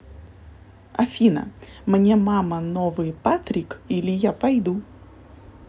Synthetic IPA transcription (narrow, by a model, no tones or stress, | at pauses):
ɐ̰fʲinə̰ | mnʲemamənovɨjpat̪ɾʲɪkilʲɪjapɐjd̪u